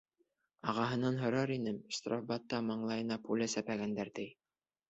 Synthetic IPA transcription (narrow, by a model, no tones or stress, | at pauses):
ɑʁɑɦɤ̆nɑnɦŏɾɑɾinɘmʃt̪rafbɑt̪ːɑmɑɴlˠɑjɤ̆nɑpulʲæsæpæɡænd̪æɾt̪ɘj